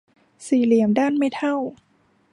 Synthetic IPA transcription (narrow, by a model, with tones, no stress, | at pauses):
siː˨˩li˨˩˦əmdaː˥˩nma˥˩jt̪ʰa˥˩w